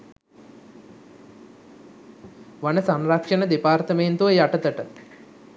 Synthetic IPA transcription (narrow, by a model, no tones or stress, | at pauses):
ʋanəsanrakʂənəd̪epaːrt̪əment̪uʋəjaʈət̪əʈə